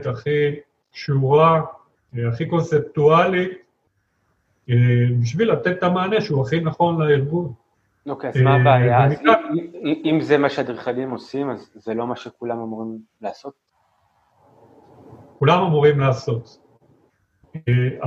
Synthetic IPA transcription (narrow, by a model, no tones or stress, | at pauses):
t̪aχi | kʃuʁa | eaχiko̞nse̞p̚tualit | ebiʃ̬vilat̪et̪tamaːne̞ʃuaχinaχo̞nlaiʁɡun | okeazmabeajaamiaimzemaʃead̪ʁiχanimo̞simazːelo̞maʃekulamamuʁim | laːso̞t̪̚ | kulamamuʁimlaːso̞t̪ | a